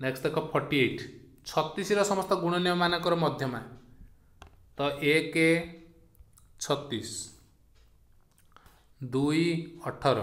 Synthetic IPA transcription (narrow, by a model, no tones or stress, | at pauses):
neksʈekʰʌppʰɔɾʈieʈʰ | t͡sʰʌt̪ːisiɾʌsɔmʌst̪ɔɡuɽ̃ʌnjʌmanʌkɔɾɔmʌd̪ʱjʌma | t̪ɔʔeke | t͡sʰʌt̪ːis | d̪ujʌʈʰʌɾɔ̰